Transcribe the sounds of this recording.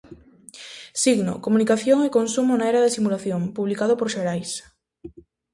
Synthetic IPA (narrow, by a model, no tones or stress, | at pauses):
siɣno̰komunikaθjoŋekonsumonaeɾaðesimulaθjoŋpuβlikaðopoɾʃeɾajs